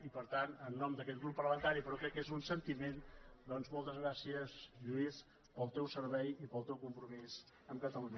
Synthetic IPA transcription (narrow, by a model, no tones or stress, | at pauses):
ipəɾt̪anənːɔmd̪əkɛt̪̚ɡɾupːərləmənt̪aɾipəɾɔkɾɛkːezunsənt̪imend̪ɔnzmɔlˠt̪əzɣɾasiəzʎuis | pəlˠt̪ɛwsəɾβɛjipəlˠt̪ɛwkumpɾumiz | əmkət̪əluɲə